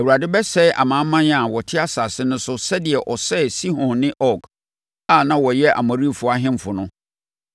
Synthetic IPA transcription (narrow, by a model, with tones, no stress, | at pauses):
æ˨wu˨ɾa˨dɪ˦bɛ˦sɛ˦ʔa̰˨mã˨˦mːã˦n˦a˨wɔ˨tʰɪ˦a˦sa˨sɪ˦nʊ̃˦sʊ˦sɛ˦dɪ˨ɛ˨ʔɔ˨sɛ˦si˦hɔ̃˨nːɪ̃˦ʔɔ˦˨k | a˦˨nã˦wɔ˨jɛ˦ʔa̰˨mɔ̃˨ɾi˦˨fʊ˦a˦ɦɪ̃˦m˨fʊ˨nʊ̃˦